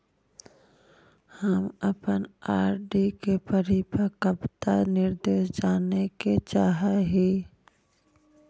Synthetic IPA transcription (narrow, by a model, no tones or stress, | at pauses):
həməpənaːɾɖikepəɾipəkəbt̪anɪɾd̪eːʃd͡ʒaːneket͡ʃaːɦaɦiː